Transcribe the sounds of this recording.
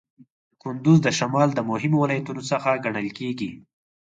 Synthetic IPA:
kʊnd̪ʊzd̪əʃamɑld̪əmʊɦɪmowɪlɑjat̪unosəxaɡaɳəlkeɡi

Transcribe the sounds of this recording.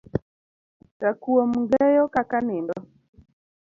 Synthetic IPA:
ɾakuɔmŋɡɛjɔkakanɪndɔ

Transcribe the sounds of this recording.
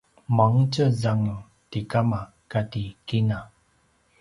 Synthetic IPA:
maŋtəzaŋu | tikama | katikina

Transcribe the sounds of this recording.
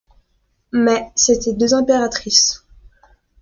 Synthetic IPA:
mɛset̪ɛd̪øzɛ̃peʁat̪χis

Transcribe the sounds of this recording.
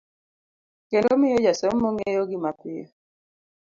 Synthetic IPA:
kelomɪjɔd͡ʒasɔmːoŋejoɡɪmapɪjɔ

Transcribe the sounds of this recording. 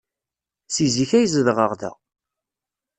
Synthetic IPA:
siziçæjzəðʁəʁðæ̰

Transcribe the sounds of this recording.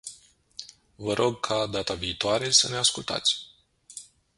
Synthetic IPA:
vəɾʔo̞ɡ̚kʰad̪at̪aviːt̪oaɾe̞səne̞askult̪a̰t̪sʲ

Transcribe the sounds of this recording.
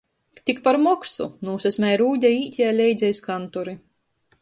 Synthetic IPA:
t̪ʲikpaɾmɔksṵnuːsɛsʲmʲɛjɾuːd̪ʲaiːt̪ʲajlʲɛjd̪zʲɛjskant̪uɾi

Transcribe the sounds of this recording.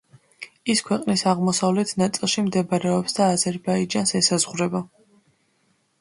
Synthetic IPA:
iskʰwɛqʼnisaʁmɔsavlɛt̪ʰnat̪sʼilˠʃimd̪ɛbaɾɛɔpsd̪aːzɛɾbaid͡ʒansɛsazʁɾɛba

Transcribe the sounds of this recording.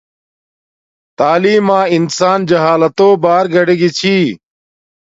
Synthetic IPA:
t̪aːliːmãːɪnsaːnd͡ʑɐɦaːlət̪oːbaːɾɡɐɽeɡit͡ɕʰiː

